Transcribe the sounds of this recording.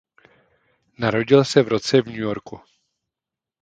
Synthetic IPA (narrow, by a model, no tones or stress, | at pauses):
naɾo̞ɟɪlsɛvɾot͡sɛvɲujo̞ɾku